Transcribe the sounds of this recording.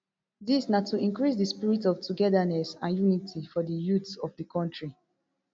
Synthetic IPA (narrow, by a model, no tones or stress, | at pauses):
disnatuĩnkɹisdəspiɹitɔftuɡɛdanɛsãnjunitʰifɔdəjutɔvdəkʰɔ̃ntɹi